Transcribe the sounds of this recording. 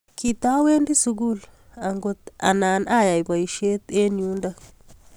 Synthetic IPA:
ki˨t̪a˦we˦ndi˦su˨ɡu˦˨l | a˨ŋɡo˦t̪a̰˨na˨na˦˨ja˨jba˨ji˨ʃe˦t̪e˦nju˦nd̪a˦

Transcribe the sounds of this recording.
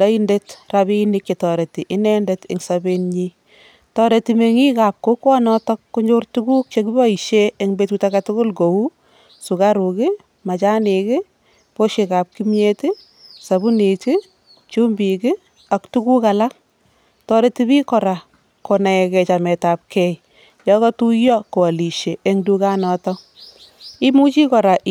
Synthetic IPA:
ndɔ˦i˦nde˦trabinikji˨tɔ˨ɾe˨ti˨ʔɪ˦nɛ˦ndetɪŋsabe˦nɲi | tɔɾe˨time˨ŋi˦kap̚ko˦kwɔ˦nɔtɔkːuɲd͡ʒo˦rtuku˦k̚t͡ʃek̬i˦bɔ˦i˨ʃeeŋbetutakatʊ˦kʊ˦lɡo˨u˦ | su˨ka˦ɾu˨kɪ˦ | ma˨t͡ʃa˦nekɪ˦ | po˦ʃe˨ka˨p̚ki˦mi˦etɪ | sa˨bu˦ni˨t͡ʃɪ˦ | t͡ʃu˦mbi˨kɪ˦ | a˨ktu˦ku˦ka˨la˦k̚ | tɔ˦ɾe˦ti˦βi˦kɔ˨ɾa˨ | ko˨na˨ɛ˨kɛ˨t͡ʃa˨mɛ˨ta˨p̚kɛ˦j | jɔkɔ˦tu˦jɔ˦ko˨a˨li˨ʃe˨e˦ŋdu˧ka˦nɔ˨tɔ˦ | i˦mu˦t͡ʃi˦kɔ˨ɾa˨ʔ

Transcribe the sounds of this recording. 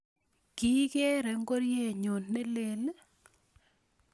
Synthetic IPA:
ki˦ke˦ɾɛ˨ŋ˦ɡo˦ɾje˦˨ɲo˨nːe˦le˨l

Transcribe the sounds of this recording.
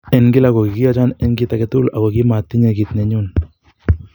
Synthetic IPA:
ɛ˨nɡɪ˦la˨ɣo˨ki˨ki˦ja˦t͡ʃa˦nɛ˦nɡi˦t̪a˨kɛ˦t̪u˦la̰˨ɣo˨ki˦ma˨t̪ːi˦ɲe˨kit̪nɛ˨ɲun

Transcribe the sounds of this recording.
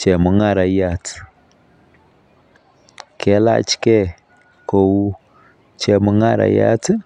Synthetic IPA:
t͡ʃɛ˨mu˨˦ŋa˦˨ɾa˨ja˦˨tʰ | kʰɛ˨˦la̰˦t͡ʃi̥kɛ˦ | ko˨wu˦ | t͡ʃɛ˨mu˦ŋa˦ɾa̰˨ja̰˦t

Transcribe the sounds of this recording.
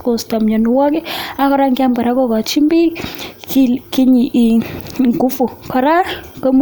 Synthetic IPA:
ko˨sta˨mɲa˨nu˨wɔ˦k̬ɛ˦a˦kɔ˦ɾa˦ŋɡa˦mba˨ɾa˦kɔ˦ka˨t͡ʃi˦mbi˦ki˦ki˦ɲi˨ʔi˨ŋɡu˦fu˨kʰa˨ɾa˦ɾkə˦m

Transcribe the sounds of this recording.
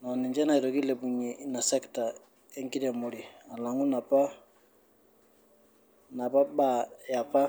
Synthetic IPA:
nɔ˨ni˨nd͡ʒɛ˦na˨i˨ɾo˨ɡi˦le˨bu˨ɲi˨na˨sɛ˦kta˨ | e˦ŋki˦ɾe˨mo˨ɾi˨a˨la˨ŋu˦na˨pa˦ | na˨pa˦ba˦˨ja˨pa˦

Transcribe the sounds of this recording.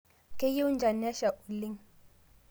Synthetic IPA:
kʼɛ˦ji˦u˦nd͡ʒʱa˨nɛ˦ʃa˨ʔu˨li˦ŋ

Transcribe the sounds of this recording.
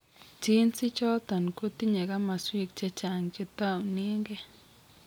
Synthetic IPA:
t͡ʃi˦nt͡si˦t͡ʃo˦t̪a˨n˨ku˦t̪i˦ɲa˨ɡa˦ma˨swi˧kt͡ʃe˧t͡ʃa˨ŋt͡ʃi˧t̪a˦˨wni˦ŋɡe˦

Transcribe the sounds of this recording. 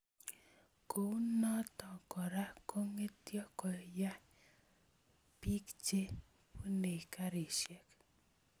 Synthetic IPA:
ko˨˦nɔ˦tɔ˨kɔ˨ɾa˦ko˦ŋe˦tjɔ˦kɔ˨ja˦ | pi˦kt͡ʃe˦ | pu˦ne˨ka˦ɾi˨ʃjɛ˨k

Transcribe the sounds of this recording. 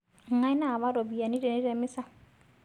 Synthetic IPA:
ŋ̩˨a˦i˦na˦˨βa˦ɾo˨bi˨a˨ni˦dɛ˨ni˦ɾɛ˨mɪ˦sa˦˨

